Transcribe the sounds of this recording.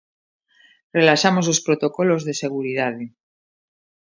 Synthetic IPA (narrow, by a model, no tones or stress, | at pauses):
relaʃamosospɾot̪okolozðese̞ɣ̞uɾiðað̞e